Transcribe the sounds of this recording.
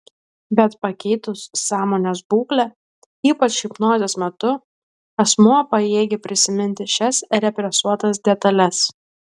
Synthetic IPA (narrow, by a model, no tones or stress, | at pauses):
bʲɛt̪pɐkʲɛɪt̪ʊsːɑːmoːnʲesbuːklʲɛ | iːpɐt͡ʃɪpnoːzʲesmʲɛt̪ʊ | ɛsmuɔpɐeːɡʲɪpʲɾʲɪsʲɪmʲɪnʲt̪ʲɪʃʲɛsɾʲɛpʲɾʲɛsuɔt̪ɐs̬d̪ʲɛt̪ɐlʲɛs